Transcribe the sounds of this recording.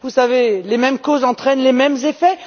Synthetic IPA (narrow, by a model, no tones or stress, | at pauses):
vusavelemɛmkozɑ̃t̪χɛnlemɛmzefɛ